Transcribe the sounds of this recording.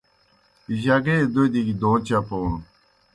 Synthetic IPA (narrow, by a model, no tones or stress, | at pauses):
iʑaɡed̪od̪iɡid̪oːt͡ɕapo